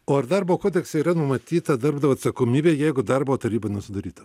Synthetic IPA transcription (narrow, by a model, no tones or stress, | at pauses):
oːɐrd̪ɐɾboːkoːd̪ʲɛksɐiːɾɐnʊmɐt̪ʲiːt̪ɐd̪ɐɾbd̪ɐʋɐːɐt̪sɐkoːmʲiːbʲeːjɛɪɡʊd̪ɐrboːt̪ɐɾʲiːbɐnʊsʲɪd̪ɐɾʲiːt̪ɐ